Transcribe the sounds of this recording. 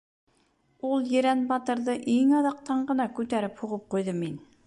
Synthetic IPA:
ulˠjɘ̆ɾænbɑt̪ɤ̆ɾðɤʔiŋɑðɑq̚t̪ɑɴɢɤ̆nɑkʉt̪æɾɘphuʁɤp̚qujðɤmin

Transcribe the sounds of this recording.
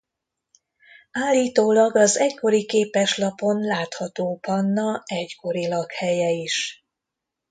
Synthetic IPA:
aːlːiːt̪oːlɒɡɒzɛcko̞ɾikeːpɛʃlɒpo̞nlaːt̪hɒt̪oːpɒnːɒɛɟko̞ɾilɒkhɛjɛiʃ

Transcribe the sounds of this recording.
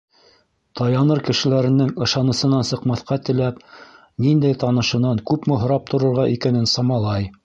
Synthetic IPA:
t̪ɑjɑnɤɾkɘ̆ʃɘ̆læɾɘ̆nɘŋɤ̆ʃɑnɤ̆sɤ̆nɑnsɤ̆qmɑθqɑt̪ɘ̆læp | nind̪æjt̪ɑnɤ̆ʃɤ̆nɑŋkʉpmɘ̆ɦŏɾɑp̚t̪ʰŏɾɤ̆ɾʁɑʔikænɘnsɑmɑlˠɑj

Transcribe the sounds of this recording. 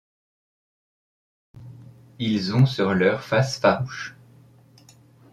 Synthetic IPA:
ilzɔ̃syʁlœʁfasfaʁuʃ

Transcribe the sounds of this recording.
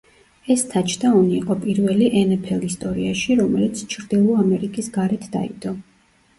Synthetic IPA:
ɛst̪ʰat͡ʃʰd̪aɔniːqʼɔpʼiɾvɛliʔɛnɛpʰɛlist̪ʼɔɾiaʃiɾɔmɛlit̪sʰt͡ʃʰɾd̪ilˠɔamɛɾikʼisɡaɾɛt̪ʰd̪a̰ḭd̪ʼɔ

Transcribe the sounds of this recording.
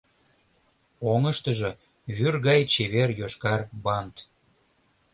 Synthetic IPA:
oŋəʃt̪əʒe | βyrɣɑjt͡ɕeβerjoʃkɑrbɑnt̪

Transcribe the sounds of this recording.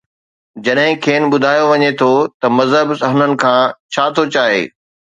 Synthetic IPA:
d͡ʑɐɗɦɪ̃kʰeːn̆ɓʊd̪ʱaːjoʋɐɲet̪ʰot̪ɐmɐzɦəbsɐɦʊnənɪ̆kʰãːt͡ɕʰaːt̪ʰot͡ɕaːɦḛː

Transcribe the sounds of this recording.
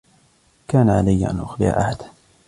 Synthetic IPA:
kaːnaʕalajːaʔa̰nʔʊxlɪ̰ʕa̰ʔa̰ħad̪̥

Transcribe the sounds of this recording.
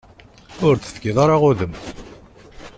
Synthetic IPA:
ʊɾθə̥θɡɪðˤɑɾˤɑʁʊðəm

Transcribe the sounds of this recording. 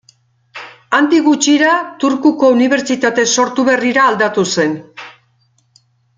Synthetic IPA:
and̪iɣut͡ʃiɾat̪uɾkuko̞uniβ̞e̞ɾt͡ʃit̪at̪e̞so̞ɾt̪uβe̞riɾaːld̪at̪use̞n

